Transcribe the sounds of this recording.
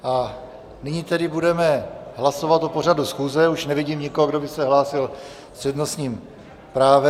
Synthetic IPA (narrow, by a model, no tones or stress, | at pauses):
ʔa | nɪɲiːt̪ɛdɪbudɛmɛɦlasovat̪opo̞r̝adusxuːzɛuʃnɛvɪɟiːmɲɪkoɦoɡdo̞bɪsɛɦlaːsɪl | r̥ɛdnosɲiːm | pɾaːvɛ